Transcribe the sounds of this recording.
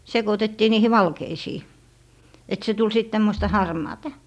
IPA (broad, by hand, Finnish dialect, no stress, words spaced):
sekotetːiː niːhi ʋɑlkeisiː et se tul sit tæmːostɑ hɑrmɑːtɑ̥